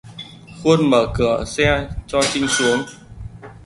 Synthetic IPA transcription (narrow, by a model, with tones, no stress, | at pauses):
xu˧ənməː˧˩kɨ˧˩˨əsɛ˧t͡ɕɔ˧t͡ɕï˧ŋsu˨˦əŋ